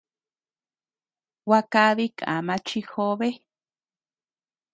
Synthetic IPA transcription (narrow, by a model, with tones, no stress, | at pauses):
wa˧ka˦βi˦kã̰˨mã˧t͡ʃi˧xo˦βe˦